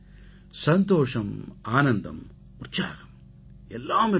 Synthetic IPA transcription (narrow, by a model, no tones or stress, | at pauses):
sɐnt̪oːʂɐmaːnɐnd̪ʱɐ̰m | ut̪t͡ʃaːkɐm | ɛlːaːmi